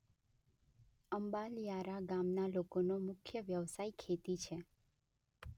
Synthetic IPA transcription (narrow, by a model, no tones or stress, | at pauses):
əmbaljaɾaɡamnalokonomʊkʰjəʋjəʋsaikʰet̪it͡ʃʰe